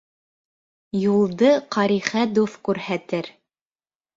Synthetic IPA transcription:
julˠd̪ɤqɑɾiχæd̪uθkʉɾhæt̪ɘɾ

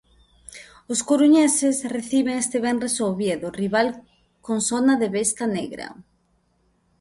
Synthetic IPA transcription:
ʊskoɾuɲesɪsreθiβeŋest̪eβɛnresoβjeðʊriβal | koŋsonaðeβest̪ɐneɣɾɐ̰

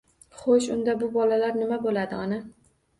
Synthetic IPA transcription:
χoʃʊnd̪abʊbɒlalaɾnɪmabolad̪ɪɒna

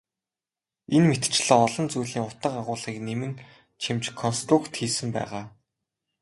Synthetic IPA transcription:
enmet̪t͡ɕɮɔ̆ːɔɮɞ̆nt͡sujɮiːŋʊt̪ə̆qaʁʊːɮʁiːknemɘ̆n | t͡ɕʰimt͡ɕkʰɔnst̪rʊkt̪xiːsɘ̆mpæ̰ːʁaː

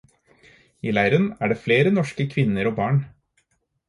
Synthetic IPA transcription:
iːlæɪɾənæːɖeːfleːɾənɔʂkəkʰʋɪnːəɾoːbɑːɳ

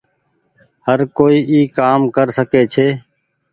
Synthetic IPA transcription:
həɾkoːiːʔiːkaːmkəɾsəkeːt͡ʃʰeː

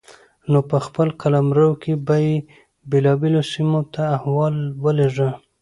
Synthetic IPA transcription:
nopəxpəlkalamɾəwkʰebaje | belɑbelosimot̪ʰaːhwɑlwəleʐə

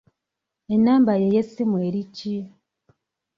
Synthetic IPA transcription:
enaːmbajejesimweɾici

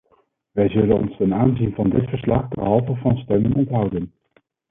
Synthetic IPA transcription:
ʋɛjzɵlənɔ̰nstɛnaːnzinvɑndɪtfəɹslɑχbəɦɑlˠvəvɑnstɛmənɔntɦʌwdən

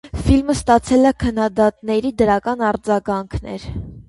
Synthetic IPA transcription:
filməst̪ɑt͡sʰɛlɛkʰənːɑd̪ɑt̪nɛɾid̪əɾɑkɑnɑɾd͡zɑɡɑŋkʰnɛ̰ɾ

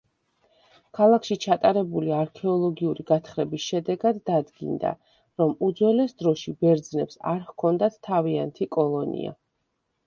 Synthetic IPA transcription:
kʰalˠakʰʃit͡ʃʰat̪ʼaɾɛbuliaɾkʰɛɔlˠɔɡiuɾiɡat̪ʰχɾɛbisʃɛd̪ɛɡad̪ːad̪ɡḭnd̪a̰ | ɾɔmud̪zwɛlɛsd̪ɾɔʃibɛɾd̪znɛpsa̰ɾhkʰɔnd̪at̪ʰːaviant̪ʰikʼɔlˠɔnḭa̰

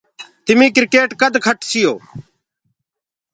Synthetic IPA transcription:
t̪ɪmiːkɪɾɪkeːʈkəd̪kʰəʈsɪjoː

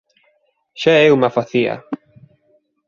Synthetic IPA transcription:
ʃaeumafaθia̰

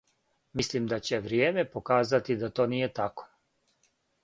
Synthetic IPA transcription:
mislimd̪at͡ɕeʋɾjeːme̞po̞kaːzat̪id̪at̪o̞ːniːje̞t̪ako̥

